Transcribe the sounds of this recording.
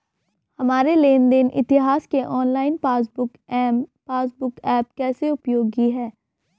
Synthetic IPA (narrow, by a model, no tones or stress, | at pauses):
hɐmaːɾeleːnd̪ɪnʔɪ̰t̪ɪɦaːskeʔɔːnlaːɪnpaːsbʊkpaːsbʊkɛːp̚kɛːseʊpjoːɡɡiɦɛː